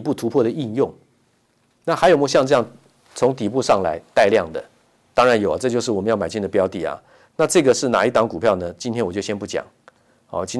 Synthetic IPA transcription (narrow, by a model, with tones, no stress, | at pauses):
pu˥˩t̪ʰu˧˥pʰwɔ˥˩ɾə˩i˥˧njʊ˥˩ŋ | na˥˩xa˧˥jo˨˩ʊm˥˧˩ɕjɑ˥˧ŋʈ͡ʂɤ˥˧jɑ˥˩ŋ | t͡sʰʊ˧˥ŋt̪i˨˩pu˥˧ʂɑ˥˩ŋla̰˧˥ɪt̪a˥˧ɪljɑ˥˩ŋd̪ə̰˩ | t̪ɑ˥ŋɻa˧˥njo˨˩ɐ˨˦ʈ͡ʂɤ˥˧t͡ɕjo˥˧ʊʂɻ̩˥˩wɔ˨˩mə˦jɑ˥˩ma˨˩ɪt͡ɕi˥˩nd̪ə˩pjɑ˥ʊt̪i˨˩ɐ̰˦ | na˥˧ʈ͡ʂɤ˥˩ɡə˩ʂɻ̩˥˩na̰˨˩i˥˩t̪ɑ˧˥ŋku˨˩pʰjɑ˥˩ʊnə˩t͡ɕi˥nt̪ʰjɛ˥nwɔ˨˩t͡ɕo˥˩ʊɕjɛ˥npu˥˩t͡ɕjɑ̰˨˩˦ŋ | ɑ˥˩˨t͡ɕi˥n